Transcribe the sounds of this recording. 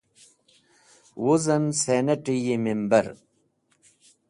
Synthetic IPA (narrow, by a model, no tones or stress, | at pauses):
wuzɐnseneʈijimimbɐɾ